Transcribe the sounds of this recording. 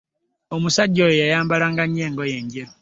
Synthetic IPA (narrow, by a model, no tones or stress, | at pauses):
omusaɟojojajaːmbalaŋɡaɲeːŋɡojeːɲɟeɾo